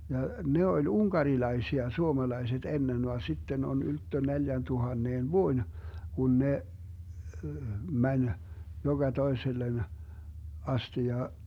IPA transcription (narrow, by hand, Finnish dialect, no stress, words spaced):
jɑ ne olʲ uŋkɑrilɑisiɑ suomɑlɑiset enːen ʋɑn sitːen on yltːø neljæntuhɑnːeːn ʋuoĭn kun ne mænʲ joɡ̊ɑ toeselːen ɑsti jɑ